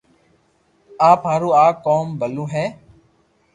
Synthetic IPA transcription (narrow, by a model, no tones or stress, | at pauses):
aːpɦaːɾuːaːkoːmbʱəlũːɦɛː